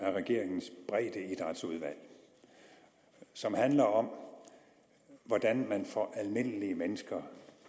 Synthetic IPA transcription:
æɐʁɛɡ̥e̝̰ɐ̰eŋn̩sb̥ʁɛːd̥əid̥ʁad̥suð̞ˠʋæl̰ | sɒ̽mhænlɐɒ̽m | ʋɒd̥ænmænfɒʔælme̝n̰əliəmenəsɡ̥ɐ

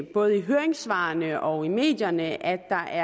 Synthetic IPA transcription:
b̥ɔ̽ːð̩ˠəiɦøːɐeŋsʋɑ̈ːnəʔɒ̽ime̝̰ːd̥jɐnəʔæ̥ɑ̈ʔæɐ

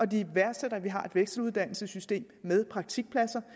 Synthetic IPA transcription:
ʔɒ̽d̥iʋæɐ̥seɾ̥ɐʋiɦɑ̈e̝d̥ʋeɡ̥sd̥l̩uðˠd̥æn̰l̩səsysd̥e̝̰ːmːeð̞ˠpʰʁɑ̈ɡ̥̚t͡sʰiɡ̥̚pʰlæsɐ

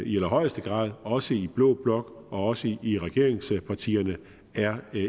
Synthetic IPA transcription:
ielɐɦɒ̽ɪ̰əsd̥əɡ̥ʁɑ̰̈ːðˠɒ̽səib̥lɔ̰ːb̥lɒ̽ɡ̥ | ɒ̽ɒ̽səiʁɛɡ̥e̝ɐe̝ŋspʰɑ̈t͡sʰḭːɐnə | æɐ

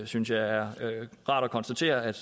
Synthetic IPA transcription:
synsjɑ̈ɪæɐʁɑ̰̈ːɾ̥ɒkʰɒ̽nsd̥æt͡sʰe̝̰ːɐæd̥

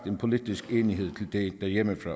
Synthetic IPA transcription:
d̥enpʰo̝lid̥isɡ̥eːniɦe̝ð̞̰ˠt͡sʰe̝ld̥ed̥æjeməfʁɒ̰

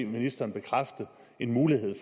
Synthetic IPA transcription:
minisd̥ɐːnb̥e̝kʰʁafd̥ð̩ˠ | e̝nmuːliɦe̝ð̰ˠf

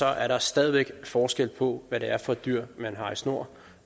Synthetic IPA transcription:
ɒ̽ʔæɐɾɑ̈sd̥ɛːð̞ˠʋeɡ̥fɒːsɡ̥el̰pʰɒ̽ʋæɾe̝æɐfɒ̽d̥yɐ̰mænɦɑ̈isno̝ɐ̰

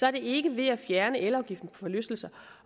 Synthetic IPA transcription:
sɒ̽æɐd̥e̝e̝ɡ̥əʋe̝æfjæɐnəʔelɒʊɡ̥ifd̥n̩pʰɒ̽fɒ̽løsd̥l̩sɐ

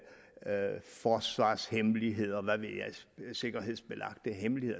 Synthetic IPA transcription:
fɒːsʋɑ̰̈ːshemliɦe̝ð̞̰ˠɐʋæʋe̝jɑɪse̝ɡ̥ɐɦe̝ð̰ˠsb̥e̝lʔɑ̈ɡ̥̚d̥əɦemlihe̝ð̰ˠ

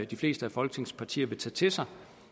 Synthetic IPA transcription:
d̥ifle̝ːsd̥əæfɒ̽lɡ̥ət͡sʰe̝ŋspʰɑ̈t͡sʰḭːɐʋe̝t͡sʰɛ̰ːt͡sʰe̝sɑ̈ɪ

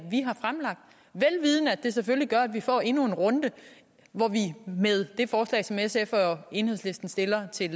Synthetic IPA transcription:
ʋiɦɑ̈fʁamlɑ̈ɡ̥̚d̥ | ʋelʋiːð̞ˠnəæd̥e̝s̬efølliɡ̥ɶɐæd̥ʋifɒ̰ːe̝nue̝nʁɔ̽nd̥ə | ʋɒʋimeð̞ˠd̥e̝fɒːslɛ̰ɪsɒ̽mesefɒe̝ːnheð̰ˠsle̝sd̥n̩sd̥e̝lɐt͡sʰe̝l

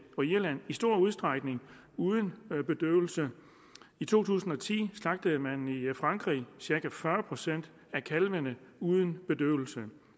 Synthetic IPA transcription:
ɒ̽iɐlæn̰isd̥o̝ɐ̰uð̞ˠsd̥ʁɑ̈ɡ̥ne̝ŋ | uð̞ˠən̩b̥e̝d̥øːʊl̩sə | it͡sʰo̝̰ːt͡sʰṵːsn̩ɒ̽t͡sʰḭːslɑ̈ɡ̥̚d̥əð̩ˠmænifʁɑ̈ŋɡ̥ʁḭːsiɐkæfɶɐpʰʁo̝sen̰d̥ | ækʰælʋənəuð̞ˠən̩b̥e̝d̥øːʊl̩sə

